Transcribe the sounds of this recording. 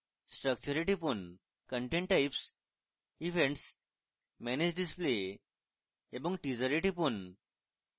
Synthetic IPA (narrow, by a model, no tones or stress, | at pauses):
sʈɾək̚t͡ɕuɾiʈipun | kəɳʈẽɳʈːaips | iʋẽɳʈs | mɛned͡ʑɖisple | ebəŋɡʈid͡zəɾiʈipun